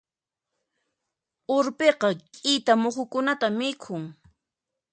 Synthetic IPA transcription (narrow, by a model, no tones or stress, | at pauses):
ʊɾpeqɑkʼɪjt̪amoχʊkʊnat̪amɪkʰʊŋ